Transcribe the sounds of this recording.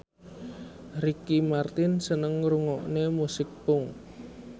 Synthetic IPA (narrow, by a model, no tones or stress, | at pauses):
ɾikimart̪ɪnsənəŋɾuŋɔʔnemusɪk̚pʊŋ